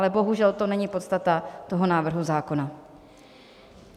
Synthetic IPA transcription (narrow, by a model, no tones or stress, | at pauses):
lɛbo̞ɦuʒɛlt̪o̞nɛɲɪpo̞t̪st̪at̪at̪o̞ɦo̞naːvr̩ɦuzaːko̞na